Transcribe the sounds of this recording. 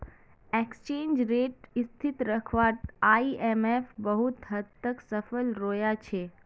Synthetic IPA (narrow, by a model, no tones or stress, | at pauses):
ekst͡ʃẽːnd͡ʒɾeʈist̪ʰit̪ɾəkʰʋat̪aiʔemefbəɦut̪ɦət̪ːəksəfəlɾoːjat͡ʃʰe